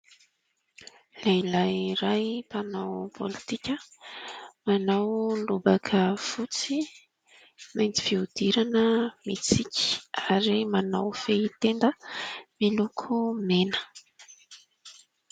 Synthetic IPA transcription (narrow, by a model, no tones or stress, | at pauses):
leilajɾajpanawpʰolit̪ikʲə | manawlubakʰəfut͡si | majnt͡si̥fiud̪̥iɾanəmit͡sikʲi̥aɾimanawfeit̪end̪əmilukʰumenə̥